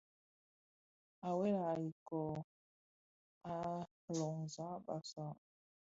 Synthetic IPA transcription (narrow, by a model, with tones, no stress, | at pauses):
a˨we˦la˨i˨kɔ˨ | a˦ | lɔ˨ŋza˨˦ɓa˨sa˦˨